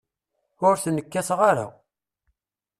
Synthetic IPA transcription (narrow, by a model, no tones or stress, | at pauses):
ʊɾθnːəkːæsʁaɾa̰